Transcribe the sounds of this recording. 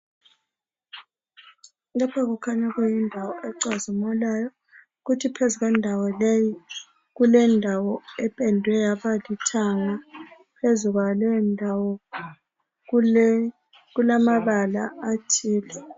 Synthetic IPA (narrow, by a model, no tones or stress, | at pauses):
lapʰaɣukʰaɲaɣujindʱawɔʔɛǀazimɔlajɔ | ɣutʰipʰezuɣwɛndʱawɔleji | ɣulɛndʱawɔɛpʼɛndʱwɛjaβalitʰaŋa | pʰezuɣwalɛndʱawɔ | ɣulamaβala̰ʔatʰiːlɛ